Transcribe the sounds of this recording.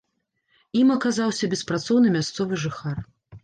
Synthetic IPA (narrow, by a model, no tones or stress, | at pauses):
imɐkazawsʲɐbʲɛspɾat̪sɔwnɨmʲast̪sɔvɨʐɨxar